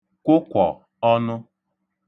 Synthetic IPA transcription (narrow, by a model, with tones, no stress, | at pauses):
kʷʊ˦kʷɔ̰˨ | ɔ˦nʊ˦